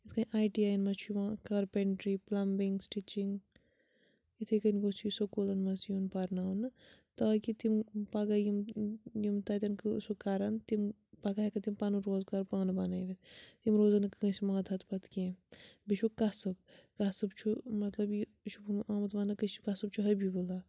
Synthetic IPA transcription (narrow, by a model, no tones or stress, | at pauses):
it̪kɐnʲʔaːjʈiaːjɐnmɐt͡ʃʰjiʋãːkɐɾpeɳʈɾiplɐmbiŋɡsʈit͡ʃiŋɡ | it̪ʰikɐnɡot͡ʃʰujisokolɐnmɐsjunpɐɾnaːnɨ | t̪ɐːkit̪impɐɡajimjimt̪ɐt̪ʲɐnkɨsokaɾɐnt̪im | pɐɡaɦekɐt̪impanɨɾoːzkaɾpaːnbɐnajʋet̪ʰt̪imɾoːzɐnɨkːɐ̃sʲimãːt̪ʰɐt̪ʰpɐt̪kẽːbiʃʰukɐsɨbkɐsɨbt͡ʃʰumɐt̪lɐbji | t͡ʃʰubumãːmɐt̪maːnɨkɐʃikɐsɨbt͡ʃʰuɦɐbʱibolaː